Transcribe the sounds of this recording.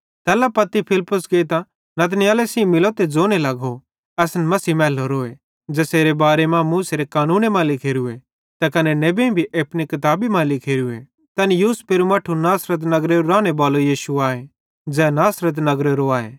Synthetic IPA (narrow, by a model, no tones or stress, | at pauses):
t̪ɛːlapɐt̪ːipʰɪlpːʊskeːt̪ã | nɐt̪nɪjaːlesĩmɪloːt̪ed͡zoːnelɐɡo | ɛːsnɛmɐsiːmɛːloɾoːe | d͡ʒɛːseːɾebaːɾemãmuːseɾekaːnuːnemãlɪkʰeːɾue | t̪akɐneneːbẽbʱiʔepnikɐt̪aːbimãlɪkʰeːɾuḛ | t̪ɐnjuːspeːɾumaːʈʰunaːsɾət̪̬nɐɡɾeɾoɾaːñebaːlojiːʃuaːe | d͡ʒɛːnaːsɾət̪̬nɐɡɾeɾoaːḛ